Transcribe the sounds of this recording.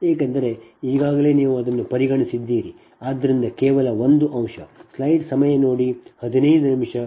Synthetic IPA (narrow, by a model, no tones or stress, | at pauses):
eːkɐnd̪ɐɾe̞iːɡaːɡɐle̞ːniːʋuɐd̪ɐnːupɐɾiɡɐɳisid̪ːiːɾi | aːd̪ːɐɾind̪ɐkeːʋɐlɐʋo̞nd̪uʔɐmʂɐslɐjʈsɐmɐjɐno̞ːɽihɐd̪inɐjd̪unimʂɐ